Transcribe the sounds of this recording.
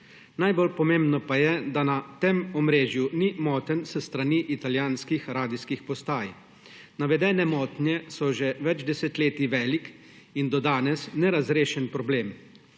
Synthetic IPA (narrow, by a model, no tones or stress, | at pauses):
najbolpɔmeːmbnɔpajɛd̪anat̪emɔmɾeːʒjunimɔːt̪ənsəst̪ɾaniʔit̪aljaːnskixɾaːd̪iskixpɔst̪aːj | naʋɛd̪ɛːnɛmɔːt̪njɛsɔʒɛʋɛd͡ʒd̪ɛsɛt̪leːt̪iʋɛːlik | ind̪ɔd̪aːnɛsnɛɾazɾeːʃɛnpɾɔbleːm